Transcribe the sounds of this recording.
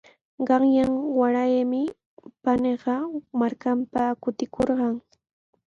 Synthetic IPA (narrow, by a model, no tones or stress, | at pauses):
ɢɑŋjaŋwaɾajmɪ | paneɢɑmaɾkampakʊt̪ɪkʰoɾɢɑŋ